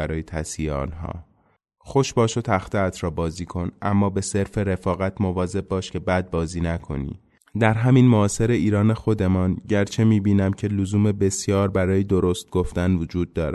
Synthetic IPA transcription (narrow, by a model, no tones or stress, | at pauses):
æɾɒːjet̪ʰæsiːeɒ̰ːnɦɒ̰ː | xo̞ʃbɒːʃo̞t̪ʰæxt̪ʰeæt̪ʰɾɒːbɒːziːkʰo̞nʔæ̰mːɒːbe̞se̞ɾfe̞ɾe̞fɒːɣæt̪ʰmo̞vɒːze̞bbɒːʃcʰe̞bæd̪̚bɒːziːnækʰo̞̰nḭ | d̪æɾɦæminmoɒːse̞ɾe̞ʔiːɾɒːne̞xo̞d̪e̞mɒnɟæɾt͡ʃʰe̞miːbiːnæmcʰe̞lozuːme̞be̞sjɒːɾbæɾɒːjed̪o̞ɾo̞st̪̚ɡ̥o̞ft̪ænvod͡ʒuːd̪̚ːɒːɾæ